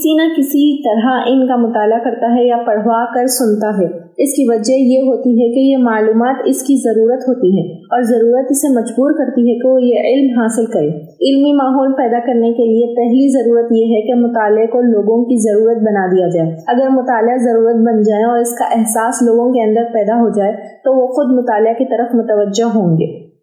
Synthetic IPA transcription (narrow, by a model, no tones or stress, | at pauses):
kɪsinɐkɪsit̪ɐɾɦaʔɪnkamʊt̪aːlakɐɾt̪aɦɛjapɐɽ̤ʋakɐɾsʊnt̪aɦɛː | ɪskiʋɐd͡ʒɛjeɦoːt̪iɦɛkejemaːluːmaːt̪ɪskizɐɾuːɾət̪ɦoːt̪iɦɛ̃ː | ɔːɾzɐɾuːɾət̪ɪsemɐd͡ʒbuːɾkɐɾt̪iɦɛkeojeʔɪlmɦaːsɪlkɐɾẽː | ɪlmimaːɦɔːlpɛːd̪akɐɾnekeliepɛɦlizɐɾuːɾət̪jeɦɛkemʊt̪aːlekoloːɡõkizɐɾuːɾət̪̚bɐnad̪ijad͡ʒaːeɐɡəɾmʊt̪aːlɪazɐɾuːɾət̪̚bɐnd͡ʒaːeɔːɾɪska̰ʔɛɦsaːsloːɡõkeɐ̃nd̪əɾpɛːd̪aɦod͡ʒaːe | t̪oʋoxʊd̪mʊt̪aːlɪakit̪ɐɾəfmʊt̪əʋəd͡ʒeɦɦõːŋɡḛː